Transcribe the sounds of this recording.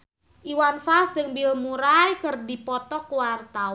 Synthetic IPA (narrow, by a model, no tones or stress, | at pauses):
ʔiwanfasd͡ʒɨŋbilmuɾajkərdipɔt̪ɔkwart̪a